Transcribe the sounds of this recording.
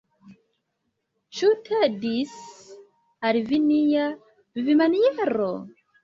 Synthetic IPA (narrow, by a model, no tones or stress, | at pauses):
t͡ʃutʰedis | alivinija | vivimanijeɾo